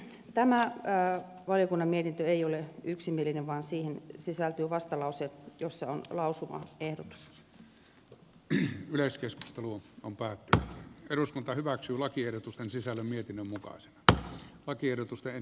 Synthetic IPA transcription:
t̪æmæ | ʋɑlijokunːɑmmiet̪int̪øeioleyksimielːineʋʋɑːnsiːhensisælt̪yːʋɑst̪ɑlɑusejosːɑonlɑusuʋɑ̰ehdot̪u̥s | yleskesku̥st̪eluompæːt̪ːynyt̪eɾuskunt̪ɑhyʋæksyːlɑkierdot̪ust̪ensisælːæmmiet̪inːømmukɑ̰ise̥nɑlɑkierdot̪ust̪ee

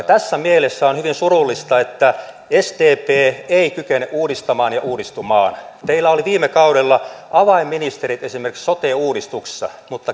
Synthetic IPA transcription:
jɑt̪æsːæmielesːæonhyʋinsurulːist̪ɑet̪ːæ | est̪eːpeːeikykeneʔuːdist̪ɑmɑːnjɑʔuːdist̪umɑ̰ːnt̪eilːæoliʋiːmekɑuɾelːɑʔɑʋɑimːinist̪eɾit̪esimerki̥ksot̪eːuːɾist̪ukssːɑ̰mut̪ːɑ

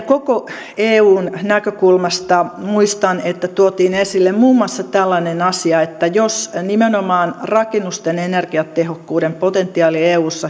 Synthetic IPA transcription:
koko | eːuːnnækøkulmɑst̪ɑmuist̪ɑnet̪ːæt̪uot̪iːnesilːemmuːmːoɑsːɑt̪ælːænenɑsiɑet̪ːæjosnimenomɑːnrɑkenːust̪enenerɡ̥iɑt̪ehokːuːdempot̪ent̪ːˑiɑːlieːuːsːɑ

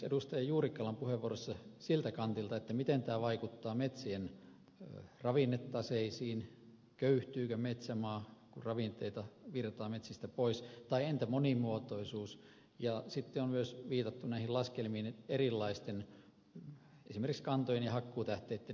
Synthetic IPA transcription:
ḛdust̪ɑjɑjuːrikːɑlɑmpuheʋʋuorost̪ɑsilt̪ækɑnt̪ilt̪ɑet̪ːæmit̪ent̪æːʋɑikut̪ːɑːmet̪sien | rɑʋinːet̪ːɑseisiːn | køyht̪yːkømet̪sæmɑːkurrɑʋint̪eit̪ɑʋirt̪ɑːmet̪sist̪æpoist̪ɑient̪æmonimuot̪oisuːs | jɑsit̪ːeonmyøsʋiːt̪ɑt̪ːunæihillɑskelmiːnerilːɑist̪en | esimerkikskɑnt̪ojenjɑhɑkːuːt̪æht̪eit̪ːe

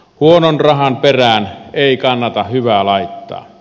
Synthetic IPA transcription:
huononrɑhɑnperæˑneˑikɑnːɑt̪ɑhhyʋælɑˑit̪ːɑ̰ː

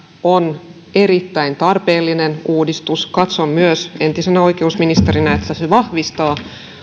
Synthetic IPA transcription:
on | eɾit̪ːæint̪ɑrpeːlːinenuːdist̪uskɑt̪sommyøsent̪isenæoikeusminist̪eɾinɑet̪ːæseʋɑhʋist̪ɑː

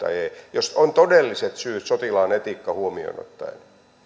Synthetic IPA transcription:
ɑ̰eːjosont̪odelːiset̪syːt̪sot̪ilɑːnet̪ikːɑhuomio̰ino̰t̪ːɑ̰jḛn

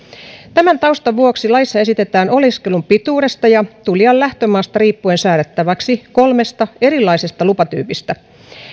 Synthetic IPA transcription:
t̪æmænt̪ɑust̪ɑʋuo̞ksilɑjsːɑe̞sit̪e̞t̪æːno̞liske̞lumpit̪uːɾe̞st̪ɑjɑt̪uljɑllæht̪ømɑːst̪ɑɾiːpːuensæːɾet̪ːæʋɑksiko̞lme̞st̪ɑe̞ɾilːɑise̞st̪ɑlupɑt̪y̰ːpist̪æ

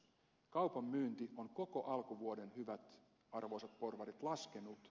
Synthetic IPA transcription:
kɑuwpɑmːyːnt̪ioŋkoko̞ʔɑlkuʋuode̞nhyʋæt̪ | ɑrʋo̞isɑt̪̚porʋɑrit̪lɑskenut̪

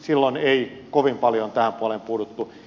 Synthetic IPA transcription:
silːoneikoʋimpɑljont̪æhæmpuolempuːdut̪ːu

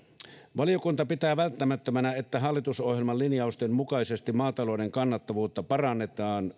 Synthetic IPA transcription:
ʋɑlijo̞kunt̪ɑpit̪æːʋælt̪ːæmæt̪ːømænæe̞t̪ːæɦɑlːit̪uso̞hjelmɑlːinjɑust̪emmukɑisest̪immɑːt̪ɑlo̞ide̞ŋkɑnːɑt̪ːɑʋuːt̪ːɑpɑrɑnːe̞t̪ɑːn

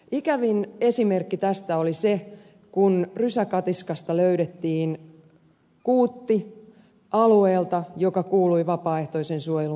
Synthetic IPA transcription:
ikæʋine̞sime̞rkːit̪æst̪æolise | kunrysækɑt̪iskɑst̪ɑløyɾet̪ːiːn | kuːt̪ːi | ʔɑlueːlt̪ɑjokɑkuːlujʋɑpɑːe̞ht̪o̞isensuojelu

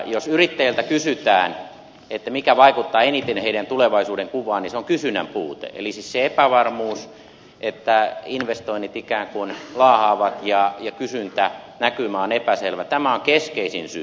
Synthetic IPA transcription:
josyrit̪ːæjelt̪ækysyt̪æːn | et̪ːæmikæʋɑikut̪ːɑːenit̪enheiɾænt̪uleʋɑisuːdeŋkuʋɑːnniseoŋkysynæ̰mpuːt̪ḛʔḛlisisseepæʋɑrmuːs | ʔet̪ːæinʋest̪oinːit̪ikæːŋkunlɑːhɑːʋɑt̪jɑjɑkysynt̪ænækymæonepæselʋæt̪æmæoŋkeskeisinsy

